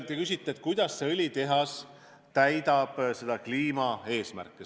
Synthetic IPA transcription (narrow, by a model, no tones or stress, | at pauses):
t̪ekysʲit̪ːˑeet̪̚ˑkujd̪̥ɑsseɤlʲit̪e̞ɦɑs | t̪æjd̪̥ɑb̥se̞d̪̥ɑkliːmɑe̞ːsmæ̰rkːˑe